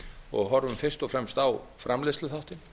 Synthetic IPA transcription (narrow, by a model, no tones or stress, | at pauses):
ɔ̰ɣɦɔɾvʏmfɪrst̪ɔfɾɛmst̪awfɾamlɪst̪lʏθaht̪ɪn